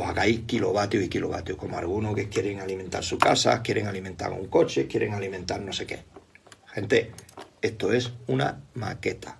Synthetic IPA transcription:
ohaɣajkilo̞βat̪joikilo̞βa̰t̪juko̞moalɣ̞unokekje̞ɾeŋaliment̪a̰ɾsukasa̰kje̞ɾeŋalimẽnt̪a̰ɾṵŋko̞t͡ʃe̞kje̞ɾeŋalimẽnt̪aɾno̞se̞ke̞axẽ̞nt̪e̞e̞st̪oe̞suna̰ma̰ke̞t̪ʰḁ

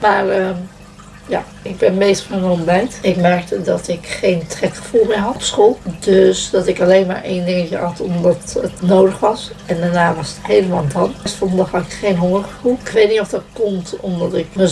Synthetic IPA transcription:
maːrə | ja̰ː | ɪɡ̚bɛnmejstχənɔmbɛjtɪkmɛɹk̚tədɑtɪkχejntrɛtχə̥fulˠmɪːɹɦɑtɔpsχolˠdøsdɑtɪkɑlejnma̰ːɹʔejndɪŋəcəɦɑtɔmdɑtətnowdəχʋɑs | ɛndaːɹnaːʋɑsətɦejləmandɑnɛstfɔnndɑχɦɑtɪkχejnɦɔŋəχəvulˠɪkʋejtnitɔfdɑt̚kɔmtɔmdɑtɪkmə

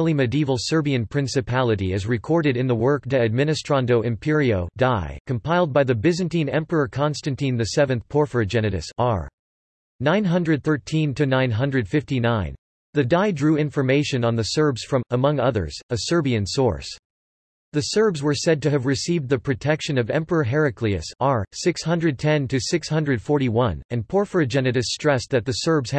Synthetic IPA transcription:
lˠimɨdiivl̩ˠsɜ˞biɨ̃npʰɹ̥ɪ̃nsɨpʰælˠəɾiɨzɹɨkʰɔɹɾɨɾɨ̃nðəwɜ˞k̚dɨɨd̚mɪ̃ñɨstɹ̥ɑ̃ndoʊʔɨ̃mpʰɪɹioʊdaɪkʰə̃m̩pʰaɪlˠd̚baɪðɨbɪzɨ̃ntĩnɛ̃mpə˞ə˞kʰɑ̃nstɨ̃ntĩnðɨsɛvɨ̃nθpʰɔɹfə˞d͡ʒɛnɨɾɨ̰sə̰ɹ | nãɪ̃nɦʌ̃ndɹɨd̪̚θɜ˞tʰĩntʰɨnãɪ̃nɦʌ̃ndɹɨd̥fɪftinãɪ̃n | ðɨdaɪdɹʉɪ̃ɱfə˞meɪʃɨ̃nə̃nðɨsɜ˞bz̥fɹʌ̃məmʌ̃ŋʌðə̰˞z̥əsɜ˞biɨ̃nsɔ̰ɹs | ðɨsɜ˞bzwə˞sɛd̚tɨɨvɹɨsiv̚ðɨpʰɹ̥ɨtʰɛkʃɨ̃nʌvɛ̰̃mpə˞əɦɛɹɨkʰliɨ̰səɹsɪkshʌ̃ndɹɨd̚tʰɛ̃ntʰɨsɪkshʌ̃ndɹɨd̥fɔɹɾiwʌ̃nɨ̃npʰɔɹfə˞ɨd͡ʒɛnɨɾɨsːtɹ̥ɛsðɨt̪̚ðɨsɜ˞bz̥

